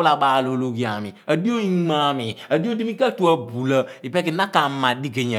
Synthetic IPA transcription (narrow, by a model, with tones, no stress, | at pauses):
la˨ɓaː˨lo˨lo˦ɡi˦˨a˨mḭ˨ə˨di˦o˦i˦ma˦˨mi˨ə˨di˦o˦di˦mi˦ka˦tu˦a˦bu˨lə˦i˨pɛ˦ki˨˦na˦ka˨˦mã˨di˦ke˨ɲɛ˨